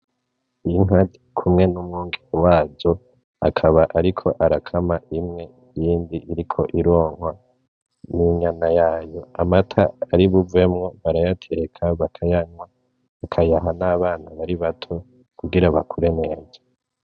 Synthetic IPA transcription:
iiŋadikʰumŋe̞numŋuːŋɡeɾiwaːzo̞ | a̰kʰaβaʔaɾikʰo̞ʔaɾakʰamaʔimŋe̞ | jiːndiʔiɾikʰo̞ʔiɾoːŋ̥hwa | niɲanajaːjo̞amatʰaaɾiβuve̞mŋo̞βaɾajatʰeɾekʰaβakʰajaɲwa | βakʰajaɦanaːβaːn̥aβaɾiβatʰo̞ | kuɡiɾaβakʰuɾe̞ne̞ːza

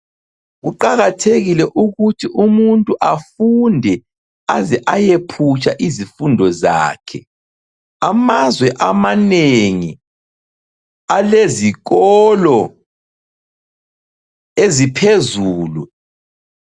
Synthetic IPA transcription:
ɣuǃaɣatʰeɣilɛʔuɣutʰiʔumuntʼuʔafundʱɛ | azɛʔajepʰut͡ʃʼaʔizifundʱɔza̰ːkʰɛ | amazwɛʔamaneŋi | aleziɣɔlɔ | ezipʰezuːlu

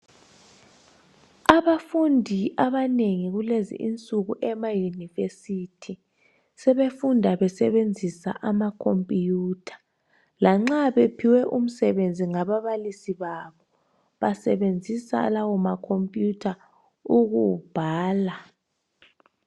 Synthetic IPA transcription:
aβafundʱiʔaβaneŋiɣulezḭʔint͡sʼuɣuʔɛmajunivesitʰi | sɛβefundʱaβɛsɛβend͡zʱisa̰ʔamakʰompʼijuːtʰḁ | laŋ͡ǁaβepʰiwɛʔum̩sɛβend͡zʱiŋaβaβalisiβaβɔ | βasɛβend͡zʱisa̰lawɔmakʰompʼjutʰa | uɣub̥ʱaːla

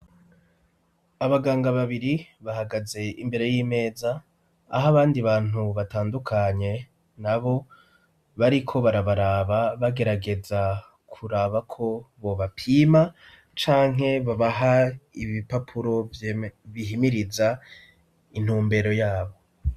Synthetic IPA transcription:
aβaɡaːŋɡaβaβiɾiβahaɡaze̞imbe̞ɾe̞jiːme̞ːza̰ː | ɦaβaːndiβaːn̥huβataːndukʰaɲe̞ | naβo̞ | βaɾikʰo̞βaɾaβaɾaːβaβaɡe̞ɾaɡe̞za | kʰuɾaβakʰo̞βo̞βapʰiːma | t͡ʃaːŋɦe̞βaβaɦaiβipapʰuɾo̞ | βiɦimiɾiza | in̥huːmbe̞ɾo̞jaːβo̞

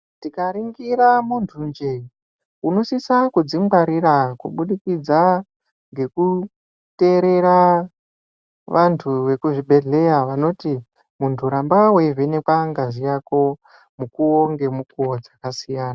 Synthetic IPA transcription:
tikaɾiŋɡiɾamuntʰund͡ʒe | uno̞sisakud͡zimɡaɾiɾakṵɓuɗikid͡za | ŋɡe̞ku | te̞ɾe̞ɾa | ʋantʰuʋe̞kuʐibʱe̞ɮe̞jaʋano̞ti | muntʰuɾambawevenekwaŋɡazijako̞ | mukuoŋɡe̞mukuod͡zakasijaːna

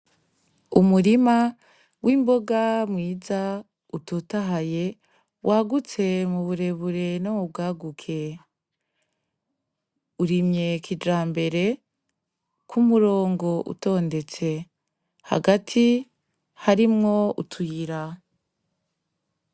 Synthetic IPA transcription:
umuɾima | wʔiːmbo̞ɡamŋiːza | utotaɦaje̞ | wʔaːɡut͡se̞muβuɾe̞βuɾe̞nomub̚ɡaːɡukʰe̞ | uɾimɲe̞kʰid͡ʒaːmbe̞ɾe̞ | kʰumuɾo̞ːŋɡo̞ʔṵto̞ːnde̞t͡se̞ | ha̰ɡatʰi | haɾimŋo̞ṵtʰujiɾa

